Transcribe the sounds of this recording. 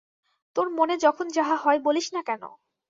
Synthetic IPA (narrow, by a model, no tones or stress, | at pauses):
t̪oɾmoned͡ʑɔkʰond͡ʑaɦaɦɔeboliʃnakɛno̰